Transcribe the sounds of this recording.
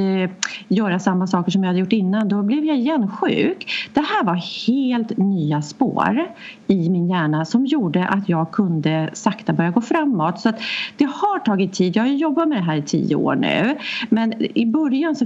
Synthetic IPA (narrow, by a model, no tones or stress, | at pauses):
jœːɾasamːasɑːkəʂɔmjɪhad̪əjʊʈːɪnːand̪ɔblɛvjaɪjɛnːɧʉ̟̰ːkd̪̥ɛhæːɾvaɾheːlt̪nyːaspo̰ːɾ | ɪmɪnjæːɳasɔmjuːɖəʔat̪jɑːɡ̚kʰɵnd̪əsakt̪abœɾjaɡoːfɾamːɔt̪sɔat̪d̪̥ɛhaʈʰɑːɡɪt̪ʰːiːd̪jahajɵjɔbːat̪mɛd̪ɛɦæːɾɪt̪ʰḭːə̰o̰ːɳʉ̟̰ːmɛnɪbœɾjansɔ